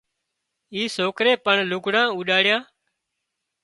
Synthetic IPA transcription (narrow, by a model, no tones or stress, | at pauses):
iːsoːkɾeːpəɳlʊɡɽãːuːɗaːɽjãː